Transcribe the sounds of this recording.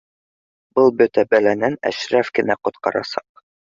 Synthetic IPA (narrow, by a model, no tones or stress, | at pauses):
bɤlˠbɵ̆t̪æbælænænæ̰ʃɾæfkɘ̆næqŏt̪̚qɑ̰ɾɑ̰sɑq̚